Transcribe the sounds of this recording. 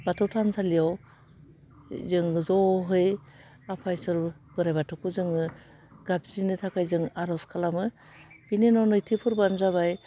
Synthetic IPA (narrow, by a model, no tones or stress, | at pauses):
b̥atʰɯwtʰansʰalijaw | zɯŋzɔɦɯj | apʰajsɔɾ | b̥ɯɾajbatʰɯkuzɯŋɯ | ɡ̥ap̚zinɯtʰakʰajzɯŋaɾɔskʰalamɯ | binenɔnɯjtʰipʰuɾbanzaβaj